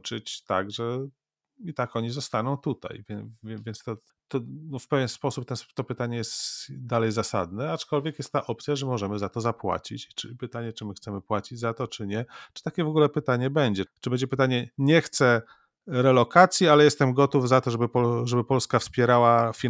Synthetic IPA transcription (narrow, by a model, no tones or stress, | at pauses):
t͡ʂɨt͡ɕt̪a̰ɡʐɛ | it̪akɔɲizɔst̪anɔ̃w̃t̪ut̪a̰jvʲɛvʲjɛnst̪ɔ | t̪ɔnɔfpɛvʲjɛnspɔsup̚t̪ɛnt̪ɔpɘt̪aɲɛjɛst̪d̪alɛjzasa̰d̪nɛat͡ʂkɔlvʲjɛkjɛst̪t̪ːaʔɔpt̪sʲjaʐɛmɔʐɛmɘzat̪ɔzapwa̰t͡ɕit͡ɕt͡ʂɘpɘt̪aɲɛt͡ʂɘmɘxt̪sɛmɘpwat͡ɕid͡ʑzat̪ɔt͡ʂɘɲɛt͡ʂɨ̥t̪akʲɛvɔɡulɛpɘt̪aɲɛbɛɲd͡ʑɛt͡ʂɨbɛɲd͡ʑɛpɘt̪aɲɛɲɛxt̪sɛ | ɾɛlɔkat̪sʲjialɛjɛst̪ɛmɡɔt̪uvzat̪ɔʐɛbɘpɔʐɛbɘpɔlskafspʲjɛɾawafʲi